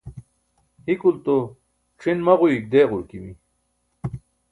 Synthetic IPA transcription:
hikult̪o | ʈ͡ʂʰinmɐʁuik̚d̪eːʁuɾkiwi

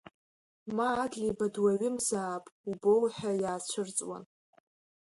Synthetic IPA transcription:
maːdlibadwaɥɪmzaːpʼubowħajaːt͡ɕʷʰɨrt͡sʼwa̰n

